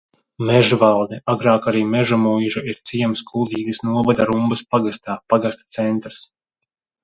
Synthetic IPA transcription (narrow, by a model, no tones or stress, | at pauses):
mɛʒvalˠd̪ɛaɡɾaːkaɾiːmɛʒamujʒaiɾt̪siɛmskʰulˠd̪ʲiːɡɐsnuɔvad̪aɾumbɐspaɡast̪aːpaɡast̪ḁt̪sɛnt̪ɾs